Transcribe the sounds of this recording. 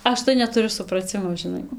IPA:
ˈɐʃ tɐɪ nʲɛtʊˈrʲʊ sʊprɐˈt͡sʲɪmoː ʒʲɪˈnɐɪ

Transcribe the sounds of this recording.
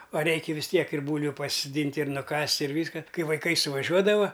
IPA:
ɐ ˈrʲɛɪkʲɛ ʋʲɪs ˈtʲiɛk ɪr ˈbuːlʲʋʲʊ pɐsʲɪsoːˈdʲiːnʲtʲ ɪr ˈnʊkɐsʲtʲ ɪr ˈʋʲiːskɐ ˈkɐɪ ʋɐɪˈkɐɪ sʊʋɐˈʒʲuɔdɐʋɐ

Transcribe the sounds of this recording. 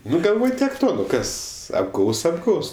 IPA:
ˈnʊ ɡɐlˠˈʋoːj tʲiɛk ˈtoː ˈnʊ ˈkɐs ɐbˈɡɐʊs ɐbˈɡɐʊs

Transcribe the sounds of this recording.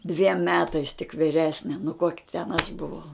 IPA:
dʲʋʲiɛm ˈmʲæːtɐɪs tʲɪk ʋʲɪˈrʲæːsʲnʲɛ nʊ koːkʲɪ tʲɛn ɐʃ bʊˈʋɐʊ

